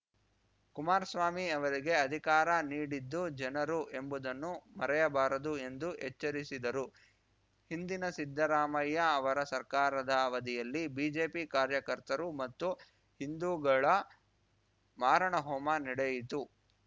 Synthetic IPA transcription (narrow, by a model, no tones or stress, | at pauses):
kumaːɾsʋaːmiɐʋɐɾiɡe̞ɐd̪ʱikaːɾɐniːɽid̪ːud͡ʒɐnɐɾuʔe̞mbud̪ɐnːumɐɾɛjɐbaːɾɐd̪ue̞nd̪uɦɛt͡ʃːɐɾisid̪ɐɾu | hind̪inɐsid̪ʱːɐɾaːmɐjːɐːʋɐɾɐsɐɾkaːɾɐd̪ɐːʋɐd̪ijɐlːibiːd͡ʒe̞ːpikaːɾjɐkɐɾt̪ɐɾumɐt̪ːu | hind̪uːɡɐɭɐ | maːɾɐɳɐɦɔːmɐniɽejit̪u